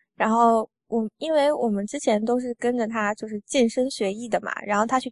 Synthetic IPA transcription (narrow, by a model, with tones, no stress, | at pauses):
ɻa˧˥nxo˥˩ʊ | wʔɔ˨˩i˥nwe˥˩ɪwɔ˨˩mə˦nʈ͡ʂɻ̩˥t͡ɕʰjɛ˧˥nt̪o˥ʊʂ̬ɻ̩˥˩kə˥nʈ͡ʂə˨t̪ʰa˥t͡ɕjo˥˧ʊʂɻ̩˥˧t͡ɕi˥˩nʂə˥nɕɥɛ˧˥i˥˩d̪ə˩mɐ̰˨˩ɻa̰˧˥nxo˥˩ʊt̪ʰa˥t͡ɕʰy˥˩